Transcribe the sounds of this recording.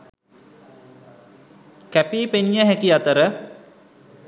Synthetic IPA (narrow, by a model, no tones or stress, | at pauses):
kæpiːpenijəɦækiat̪əɾə